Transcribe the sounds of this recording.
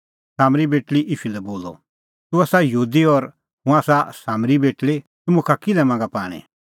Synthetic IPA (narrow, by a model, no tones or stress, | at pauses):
saːmɾibeːʈliʔɪʃulɛboːlɔ̰ | t̪uaːsajɦuːd̪iɔɾ | ɦʊ̃aːsasaːmɾibeːʈli | t̪ʊmũkʰakɪlɛmãːŋɡapa̰ːɽ̃ḭ̃